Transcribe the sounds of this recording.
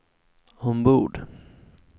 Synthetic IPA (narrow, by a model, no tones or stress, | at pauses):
hʊnbuːɖ